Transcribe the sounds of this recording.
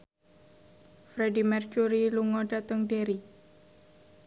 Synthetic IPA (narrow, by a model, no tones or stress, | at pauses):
fɾedimɛrkuɾiluŋɔɖat̪əŋɖeɾi